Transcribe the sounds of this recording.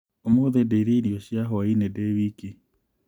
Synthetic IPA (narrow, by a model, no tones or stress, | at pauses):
omoðedeiɾeiɾiɔʃjaɦɔainɛdɛβiki